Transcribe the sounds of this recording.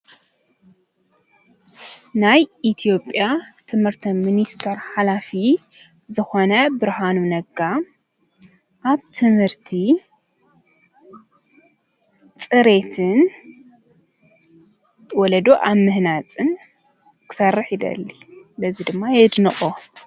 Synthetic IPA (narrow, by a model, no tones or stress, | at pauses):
najʔit̪ʰijo̞pʼjat̪ʰɨmhɨɾt̪ʰɐminist̪ʰɐɾħalafi | zɨxo̞nɐbɨɾhanunɐɡa | ʔaβt̪ʰɨmhɨɾt̪ʰi | t͡sʼɨɾe̞t̪ʰɨn | wɔlɐd̪oʔaβmɨhnat͡sʼɨn | kʰɨ̥sɐrːɨħid̪ɐ̰lːilɐzid̪ɨmːajɛd̪nɨχʼo